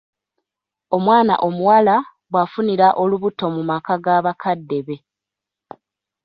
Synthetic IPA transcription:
o̞mwaːna̰ʔo̞muwala | βwafuniɾaʔo̞luβuto̞mumakaɡaːβakʰadːe̞βe̞

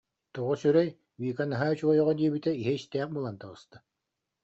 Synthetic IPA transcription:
t̪uʁusyɾɛj | wiːkanaɦat͡ɕuɔjɔʁɔd̪iɛbit̪ɛiɦiist̪ɛːχ̚bɯlˠant̪aʁɯst̪a

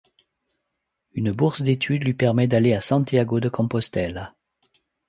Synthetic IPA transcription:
ynəbuʁsd̪et̪ʰyd̪lɥipɛʁmɛd̪aleasɑ̃t̪jaɡod̪əkɔ̃pɔst̪ɛl

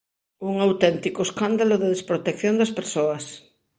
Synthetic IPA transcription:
uŋawt̪ɛnt̪ikoeskand̪aloðeðespɾot̪ekθjond̪aspeɾsoas

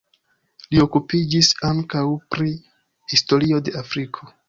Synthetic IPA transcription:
lio̞kupid͡ʒisaŋkawpɾi | histo̞ɾio̞de̞afɾikʰo̞

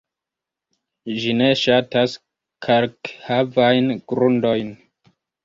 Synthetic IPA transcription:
d͡ʒine̞ʃatas | kʰaɾkhavajnɡ̥ɾundo̞jn

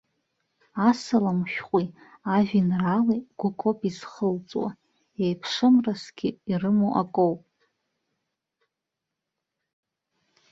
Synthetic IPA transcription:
asalamʃᶣqʷʼi | aʒᶣinraliɡ̥ʷʊkʼopʼizχəlt͡sʼwa̰ | ejpʰʂɨmrasɡ̥ʲɪirɨmoʔakʼowpʼ

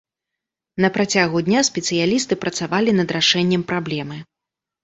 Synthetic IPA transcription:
nɐpɾat͡sʲaɣud̪ʲnʲaspʲɛt̪sɨjalʲist̪ɨpɾɐt̪savalʲinɐd̪ɾaʂɛnʲːɛmpɾablʲɛmɨ

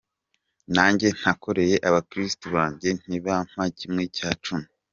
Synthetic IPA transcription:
naːɲɟe̞n̥hako̞ɾe̞je̞ʔaβakɾistuβaːɲɟen̥iβam̥macimŋecaːt͡ʃumu

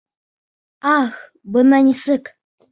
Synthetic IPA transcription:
ɑx | bɤnɑnʲisɘk

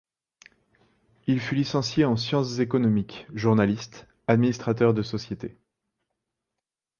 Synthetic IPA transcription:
ilfylisɑ̃sjeɑ̃sjɑ̃szekɔnɔmikʒuʁnalist̪ | ad̪minist̪χat̪œʁd̪əsɔsjet̪e

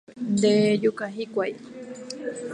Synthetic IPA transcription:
d̪ejukaɦikʷaj

